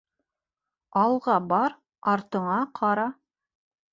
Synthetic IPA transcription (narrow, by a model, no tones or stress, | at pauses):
ɑlˠʁɑbɑɾ | ɑɾt̪ɤ̆ɴɑqʰɑɾɑ